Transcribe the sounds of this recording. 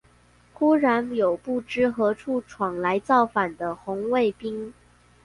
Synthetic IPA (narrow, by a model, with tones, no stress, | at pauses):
xu˥ɻa˧˥njo˨˩ʊpu˥˩ʈ͡ʂɻ̩˥xɤ˧˥ʈ͡ʂʰu˥˩ʈ͡ʂʰwɑ˨˩ŋla˧˥ɪt͡sɑ˥˩ʊfa˨˩nd̪ə˦xʊ˧˥ŋwe˥˩ɪpi˥ŋ